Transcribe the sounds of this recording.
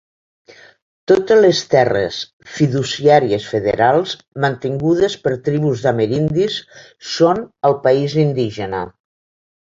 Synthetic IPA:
t̪ot̪ələst̪ɛrḛs | fiðusiaɾiəsfeðḛɾalˠz | mənt̪iŋɡuð̞əspəɾt̪ɾiβuzðəmeɾind̪isː | onəlˠpaizind̪iʒənə̰

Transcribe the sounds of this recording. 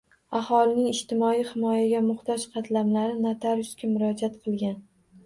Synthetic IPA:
ahɒlɪnɪŋɪʃt̪ɪmɒijhɪmɒjaɡʲamʊχt̪ɒd͡ʒqʰɑt̪ʰlamlaɾɪnat̪ʰaɾʊskʲamʊɾɒd͡ʒat̪qʰɨlˠɡʲan

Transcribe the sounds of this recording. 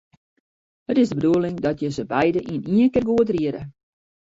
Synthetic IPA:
hətɪzdəbəduəlɪŋdɔtjəzəbɛjdəʔiəniənkərɡuətriəɾə̰

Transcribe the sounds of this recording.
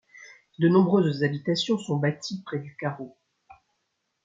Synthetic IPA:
d̪ənɔ̃bʁøzzabit̪asjɔ̃sɔ̃bat̪ʰipχɛd̪ykaʁo

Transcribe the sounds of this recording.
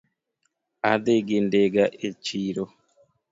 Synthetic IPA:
adeɡendeɡaʔet͡ʃiːɾo

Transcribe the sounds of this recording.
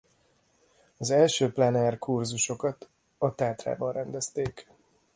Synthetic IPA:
ɒzɛlʃøːplɛnɛrkurzuʃo̞kɒt̪ | ɒt̪aːt̪ra̰ːbɒnrɛnd̪ɛst̪eːk

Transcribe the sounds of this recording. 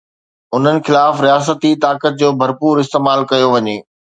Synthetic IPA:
ʊn̤ənɪ̆xɪlaːfɾijaːs̬ət̪it̪aːkət̪̚d͡ʑoːbʱɐɾpuːɾɪst̪eːmaːlkɐjoʋɐɲeː

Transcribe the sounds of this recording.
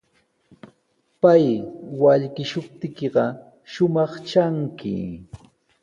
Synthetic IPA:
pajwaʎkɪʃʊp̚t̪ɪkeɢɑ | ʃʊmɑχt͡ʃaŋkʰɪ̰

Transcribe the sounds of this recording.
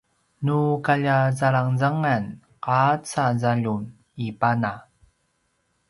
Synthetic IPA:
nukaʎazaɭaŋzaŋan | qat͡sazaʎun | ipana

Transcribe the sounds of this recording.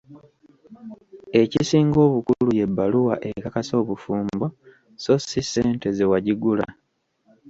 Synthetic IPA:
e̞cisiːŋɡo̞ːβukuluje̞bːaluwa̰ʔekakaso̞ːβufuːmbo̞ | so̞sise̞ːnte̞zewaɟiɡula̰

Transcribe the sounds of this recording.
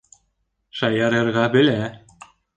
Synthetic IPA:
ʃɑjɑɾɤ̆ɾʁɑbɘ̆læ

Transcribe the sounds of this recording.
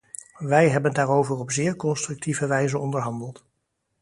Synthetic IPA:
ʋɛjɦɛbəndaːɹowvərɔpzɪːɹkɔnstrɵk̚tivəʋɛjzəɔndəɹɦɑndəlˠt

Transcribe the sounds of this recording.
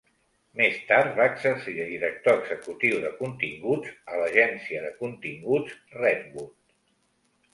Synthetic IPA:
mest̪aɾt̪βaːəɡzəɾsiəðiɾək̚t̪oəɡzəkut̪iwðəkunt̪iŋɡud͡zələʒɛnsiəðəkunt̪iŋɡud͡zrɛd̪̚βut̪

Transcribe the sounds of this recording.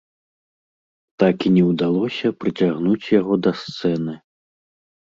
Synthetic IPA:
t̪akinʲɛwd̪alˠɔsʲɐpɾɨt͡sʲaɣnut͡sʲjaɣɔd̪ɐst̪sɛnɨ

